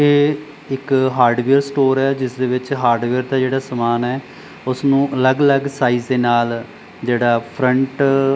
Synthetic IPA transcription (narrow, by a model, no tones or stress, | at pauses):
eː | ɪkɦaːɾɖʋeːəɾsʈoːɾɛːd͡ʒɪsd̪eːʋɪt͡ʃɦaːɾɖʋeːəɾd̪aːd͡ʒeːɽaːsəmaːnɛː | ʊsnũːʔələɡələɡsaːiːzd̪eːnaːl | d͡ʒeːɽaːpʰɾəɳʈ